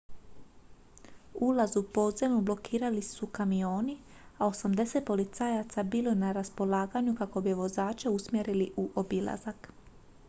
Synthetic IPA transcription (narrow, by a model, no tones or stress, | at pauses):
ulazupo̞d̪zemublo̞kʰiːɾalisukamio̞ːni | ao̞samd̪e̞se̞t̪̚po̞lit̪saːjat̪sabiːlonaɾaspo̞laːɡaɲukako̞biʋo̞zaːt͡ʃeusmjeɾiliʔuʔo̞bila̰zak